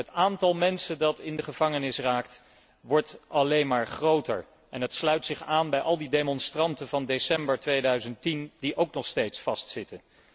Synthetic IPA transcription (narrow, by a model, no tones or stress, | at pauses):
ɦətaːntɑlˠmɛnsəndɑtɪndəχəv̥ɑŋənɪsraːk̚t | ʋɔɹtɑlejnmaːɹχrowtə̰ɹ | ɛnɦətslœɥtsɪχaːnbɛjʔɑlˠdidemɔnstrɑntənvɑndesɛmbəɹtʋejdœɥzənttind̥iʔowknɔχstejtsfɑstsɪtən